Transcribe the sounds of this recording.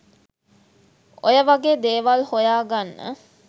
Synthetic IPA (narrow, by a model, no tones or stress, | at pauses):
ojəʋaɡeːd̪eːʋalhojaːɡanːə̰